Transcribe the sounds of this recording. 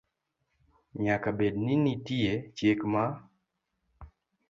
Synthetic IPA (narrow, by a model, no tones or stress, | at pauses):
ɲakabedninitiet͡ʃjekma